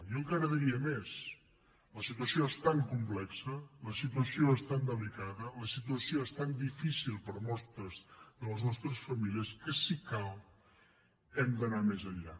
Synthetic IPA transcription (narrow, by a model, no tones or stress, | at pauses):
jɔŋkaɾəðiɾiəmes | ləsit̪uəsioest̪aŋkumplɛksələsit̪uəsioɛst̪and̪əlikaðələsit̪uəsioeɛst̪and̪ifisilˠpəɾmɔst̪əzðələznɔst̪ɾəsfəmiliəskəsikalˠ | ɛmd̪ənamezəʎa̰